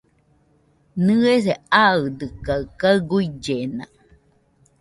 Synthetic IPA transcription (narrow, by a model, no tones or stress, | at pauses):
nɨeseaɨd̪ɨkaɯkaɡuid͡ʒena̰